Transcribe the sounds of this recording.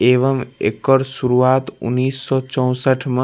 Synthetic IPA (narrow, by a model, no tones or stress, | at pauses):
ebʌmḛkːʌɾsuɾuat̪ṵnːisːɔt͡sʌw̃səʈʰmʌ̃